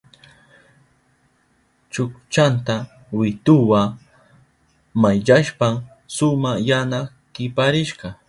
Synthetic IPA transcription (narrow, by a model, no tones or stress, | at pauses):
t͡ʃʊkt͡ʃant̪a | wɪt̪ʊwa | majʎaʃpam | sʊmajana | kɪpaɾɪʃɢɑ